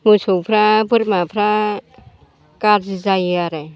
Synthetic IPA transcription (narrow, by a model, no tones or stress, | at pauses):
musupʰɾabuɾmapʰɾa | kaɾzzajaɾɛ